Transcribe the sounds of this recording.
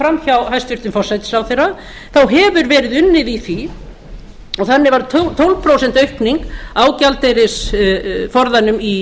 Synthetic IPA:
fɾamçawhajst̪ʏɾ̥t̪ɪnfɔsːajt̪ɪ̥sawθejra | θawɦɛvʏɾvɛːɾɪðʏnːɪðiθi | ɔɣθanːɪvaɾt̪ʰt̪ʰownpʰɾowsɛn̥t̪œɥhpniŋkawcalt̪ejɾɪsfɔɾðanʏmi

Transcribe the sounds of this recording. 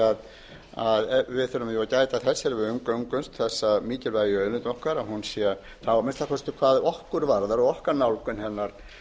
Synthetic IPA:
að | aðvɪðθʏɾʏmjʏvacaːjt̪aθɛsːɪɾvɪʏŋkœŋkʏnst̪θɛsːaðmiːcɪlvajʏœːɥlʏnt̪ɔhkvaɾaðhunsjɛ | θawmɛnst̪akʰɔst̪ʏkʰvaːðɔhkʏɾvaɾðaɾɔɣɔhkaɾnawlkʏnhɛnːaɾ̥

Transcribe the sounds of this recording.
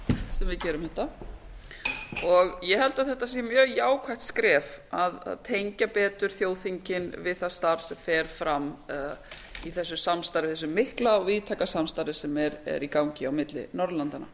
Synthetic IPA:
sɛmvɪðcɛːɾʏmhɛht̪ːa | ɔɣjɛhɛlt̪aðθɛht̪ːas̬imjœːɣjaːwkʰajht̪skɾɛːfaða̰ðt̪ʰejɲcapɛːt̪ʏɾ̥θjoːwθiɲcɪnvɪðθast̪aɾsɛmfɛɾ̥fɾam | iθɛs̬ːʏsamst̪aɾɪvθɛsʏmːɪhklaɔviːðt̪ʰakasamst̪aɾɪsɛmɛɾɛ̰ɾikawɲcɪawmɪt̪lɪ̰nɔɾðlant̪ana

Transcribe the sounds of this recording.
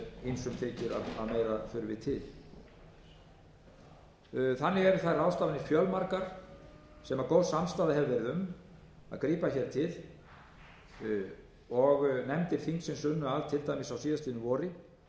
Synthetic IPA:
ejnsʏmt̪ʰeːcɪɾaðaðmeːjɾafʏɾʏvɪ̰ðt̪ʰɪl̥ | θanːɪɣɛɾʏθajrawst̪aːvɪnɪfjœlmaɾkaɾ̥ | sɛmaɾkoːwsamst̪aːðɪɦɛlvɛɾðʏm | a̰ðkɾiːpaçɛɾ̥t̪ʰɪð̥ | ɔɣnɛmt̪ɪɾ̥θiŋksɪnsʏnːʏalt̪ʰɪlt̪ajmɪsawsiːðast̪inʏvɔːɾɪ

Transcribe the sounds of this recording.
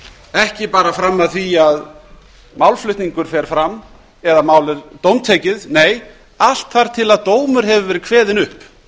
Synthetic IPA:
ɛhcɪpaːɾafɾamːaðθiað | mawlflʏht̪niŋkʏɾ̥fɛɾ̥fɾamː | ɛðamaːwlɪɾt̪owmt̪ʰeːjcɪðneːj | al̥t̪faɾ̥t̪ʰɪlaðt̪oːwmʏɾ̥ɦɛvʏvɛɾɪðkʰvɛːðɪnʏhp

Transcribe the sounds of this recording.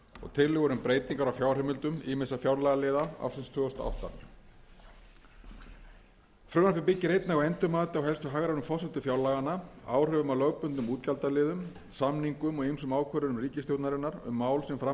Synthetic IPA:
ɔ̰ɣt̪ʰɪlːʏɣɔɾʏmpɾeːjt̪iŋkaɾawfjawr̥ɛmʏlt̪ʏmiːmɪsafjawɾlaɣalɪːðaa̰wsʏnst̪ʰʏːɣɔst̪a̰ʔa̰wht̪a̰ | fɾʏɣnahpɪpɪcːɪɾejt̪naɣaɛnt̪ʏmaːt̪awɦɛlst̪ʏɦaɣɾanʏmfɔsɛht̪ʏfjawlaːɣanːaa̰ːwr̥œvʏmalœɣpʏnt̪ʏmuːt̪calt̪alɪːðʏm | samniŋkʏmɔɣejmsʏmaːwkʰvœɾʏnʏmriːcɪst̪jowt̪naɾɪnaɾʏ̰mːaːwlsɛmfɾa

